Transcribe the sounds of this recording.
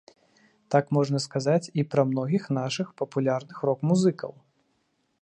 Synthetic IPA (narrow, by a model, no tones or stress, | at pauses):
t̪akmɔʐnɐskazat͡sʲipɾɐmn̪ɔɣʲixnaʂɨxpɐpulʲarnɨxɾɔkmuzɨkɐ̰w